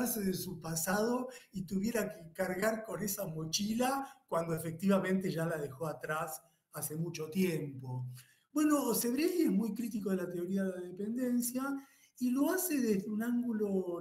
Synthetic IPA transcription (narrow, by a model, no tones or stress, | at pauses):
ɾseðesupasað̞o̞it̪uβje̞ɾakekaɾɣaɾko̞nesamo̞t͡ʃilakwand̪oefek̚t̪iβamẽ̞nt̪e̞ʒalaðe̞xo̞at̪ɾas | ase̞mut͡ʃo̞t̪je̞mpo̞ | bwe̞no̞se̞βɾeliezmujkɾit̪iko̞ð̞elat̪eo̞ɾiaðelaðepe̞nd̪e̞nsja | ilo̞aseðezðeunaŋɡulo